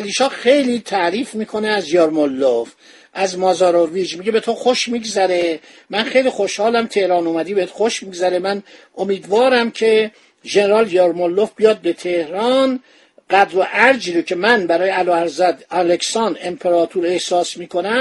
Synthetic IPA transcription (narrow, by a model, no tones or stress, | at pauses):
æliːʃɒːxe̞jliːt̪ʰæʔɾiːfmiːkʰo̞neæzjɒɾmolːof | ʔæzmɒːzɒːɾoviːd͡ʒmiɟebe̞t̪ʰoxoʃmiːɡzæɾe | mænxejliːxo̞ʃhɒːlæmt̪ʰe̞hɾɒːnumæd̪iːbeet̪xoʃmiːɡzæɾemænʔomiːd̪vɒːɾæmcʰe̞ | ʒeneɾɒːljɒɾmolːofbijɒːd̪̚be̞t̪ʰe̞hɾɒːn | ɡæd̪ɾoʔæɾd͡ʒiːɾocʰe̞mænbæɾɒːjeæloːæɾzæd̪æleksɒːnd̪e̞mpʰeɾɒːt̪ʰuːɾe̞hsɒːsmiːkʰo̞næ